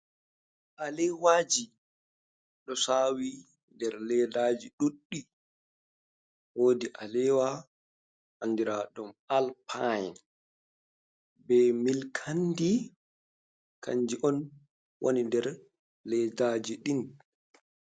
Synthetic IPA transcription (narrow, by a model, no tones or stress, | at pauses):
ʔalɛwaːd͡ʒi | ɗɔsaːwi | ndɛɾlɛdaːd͡ʒiɗuɗːi | woːdiʔalɛwa | hanːdiɾaɗumalpʰajɛ̰n | bɛmilkʰandi | kʰa̰ɲd͡ʒiʔɔn | wʔo̰nindɛɾ | lɛdad͡ʒiɗin